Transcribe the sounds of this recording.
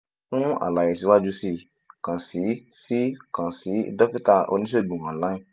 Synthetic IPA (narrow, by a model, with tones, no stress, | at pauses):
fũ˦a̰˨la˨je˨si˨˦wa˦d͡ʒu˦si˧ | kã˨si˨˦si˦kã˨si˨˦dɔ˦fi˦ta˦˨ʔo̰˧nĩ˦ʃo˦i˨ɡ͡bũ˨kã˨la˦ĩ˦˨